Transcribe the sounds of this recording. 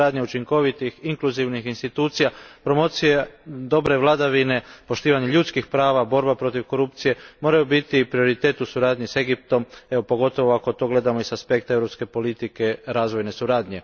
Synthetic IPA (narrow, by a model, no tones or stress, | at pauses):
aːd̪ɲeut͡ʃiŋko̞ʋit̪ixiŋkluziʋnixinst̪it̪uːt̪sijapɾo̞mo̞t̪sijed̪o̞bɾe̞ʋlˠad̪aʋine̞po̞ʃt̪iːʋaɲeʎut̪skixpɾaːʋabo̞ɾbapɾo̞t̪iʋko̞ɾupt̪sije̞mo̞ɾajubit̪ipɾio̞ɾit̪e̞ːt̪usuɾaːd̪ɲise̞ɡip̚t̪o̞me̞opo̞ɡo̞t̪o̞ʋoako̞t̪o̞ɡle̞d̪amo̞isaspe̞kt̪aevɾo̞pske̞po̞lit̪ike̞ɾaːzʋo̞jne̞suɾaːd̪ɲe̞